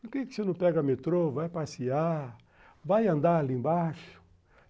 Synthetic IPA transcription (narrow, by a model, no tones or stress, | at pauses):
pʊɾkekɪ̥senɐ̃pɛɡɐmet̪ɾovajpasia | vajɐ̃nd̪aɾalĩbaʃʊ̥